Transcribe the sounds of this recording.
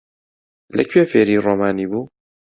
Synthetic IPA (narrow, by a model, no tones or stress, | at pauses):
lɛkʰɥeːfeːɾiːroːmaːniːbuː